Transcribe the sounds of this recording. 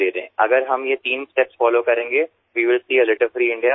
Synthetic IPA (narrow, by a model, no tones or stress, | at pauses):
eːɾḛɦɛ̃ːʔɐɡəɾɦɐmjet̪iːnsʈeːpsfɔːloːkɐɾẽːŋɡeː | ʋiːʋɪlsiːəlɪʈəlfɾiːɪ̃ɳɖija